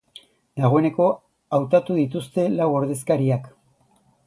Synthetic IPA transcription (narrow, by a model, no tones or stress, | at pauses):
d̪aɣ̞o̞e̞ne̞ko̞ | awt̪at̪uðit̪ust̪e̞lawo̞ɾðe̞skaɾiak